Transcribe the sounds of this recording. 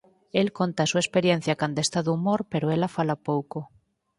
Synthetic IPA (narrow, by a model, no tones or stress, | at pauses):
elkont̪asuespeɾjen̟θjakand̪oest̪aðumoɾpeɾoelafalapowko